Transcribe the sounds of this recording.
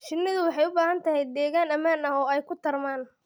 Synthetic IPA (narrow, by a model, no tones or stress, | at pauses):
t͡ʃɪnːɪðʊwɑħɑjʊbaːhɐnt̪ʰɐɦɛjd̪ɛːɣaːnɐmaːnɐɦɔːɛjkʰʊt̪ʰɐrmaːn